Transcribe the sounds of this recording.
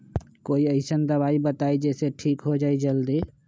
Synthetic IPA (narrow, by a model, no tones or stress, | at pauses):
koːiəɪsənd̪ɐbaːibət̪aːid͡ʒɛːseʈʰiːkɦod͡ʒaːid͡ʒəld̪iː